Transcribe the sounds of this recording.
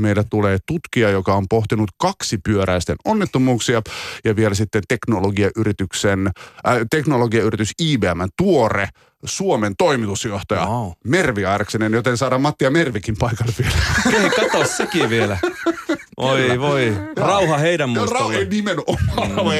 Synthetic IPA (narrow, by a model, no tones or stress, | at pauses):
meilːæt̪uleːt̪ut̪kiɑjokɑompoht̪inut̪kɑksipyøɾæist̪ḛnonːit̪ːomuːksiɑjɑʋielæsit̪ːent̪eknoloɡiɑʔyɾit̪yksent̪eknoloɡiɑyrit̪ysiːbeæmːænt̪uorḛ | suoment̪oimit̪usjoht̪ɑjɑ̰merʋiɑrksenenjot̪ensɑːdɑmɑt̪ːiɑmerʋikimpɑikɑlːeʋielæeikɑt̪ossekiʋielæ | ʔoiʋoirɑuhɑheiɾæmmrɑennimenomːɑ